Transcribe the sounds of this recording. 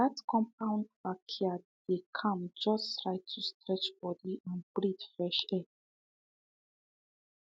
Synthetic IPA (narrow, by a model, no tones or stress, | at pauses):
ðatkʰɔ̃mp̚ʰãʊ̃ndvakʰiad̥ekʰãmd͡ʒɔsttɹaɪttʰːustɹɛt͡ʃbɔdiʔãnbɹidfɹɛʃɛ